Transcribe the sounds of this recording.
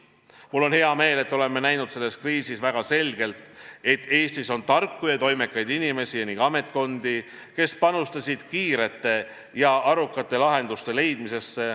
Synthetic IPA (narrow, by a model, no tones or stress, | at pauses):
mulːo̞nhe̞ɑme̞ːle̞t̪ːo̞le̞mːe̞næjnud̪̥se̞lːe̞skriːsisvæɡ̥ɑse̞lɡ̥e̞lt̪e̞t̪ːˑe̞ːst̪iso̞nt̪ɑrkːujɑt̪o̞jme̞kːˑɑjd̪̥inime̞sijɑniŋɡ̥ɑme̞t̪ˑko̞nd̪i | ke̞spɑnust̪ɑsʲid̪̥kiːɾe̞t̪ːe̞ | jɑʔɑɾukːˑɑt̪ːˑe̞lɑɦe̞nd̪̥ust̪e̞le̞jd̪̥mise̞sːe